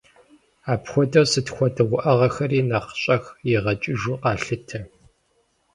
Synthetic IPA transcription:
aːpxʷɔdɐrsɨtxʷɔdɐʁʷʊʔɐʁɐxɐriːnɐqɕʼɐxjɪʁɐt͡ʃʼɪʒuqɑːɬɨtʰɐ

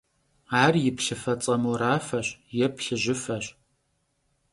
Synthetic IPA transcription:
aːrjɪpɬɨfɐt͡sʼɐmuɾaːfɐɕjɛpɬɨʑɪfɐɕ

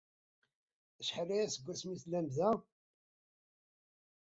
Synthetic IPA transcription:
əʃħəlijæsəɡʷːæsmiθlæmzæ

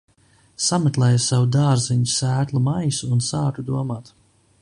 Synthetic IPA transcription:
samɨt̪lˠɛjsawud̪aːɾziɲisæːt̪lˠumajsuːnsaːt̪ud̪uɔmaːt̪

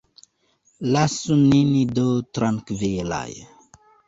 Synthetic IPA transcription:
lasuninid̪ot̪ɾaŋkvejela̰jə

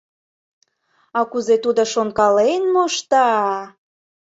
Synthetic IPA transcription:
ɑkuzet̪ud̪oʃoŋkɑlenmoʃt̪ɑ

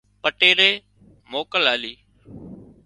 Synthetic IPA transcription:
pəʈeːɾeː | moːkəlaːliː

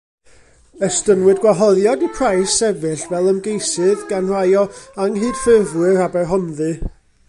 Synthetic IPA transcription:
əstənwɨdɡwaɦɔðjɔdipʰrajsɛvɨɬvɛlˠəmɡejsɨðɡanr̥ajɔaŋɦɨːd̥fɪrvwɨɾabɛrɦɔmðɨ

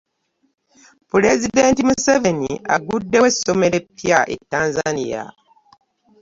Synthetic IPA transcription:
puɾezideːntimuseve̞nia̰ɡudːe̞weso̞me̞ɾe̞pːijaʔḛtːaːnzanḭja̰

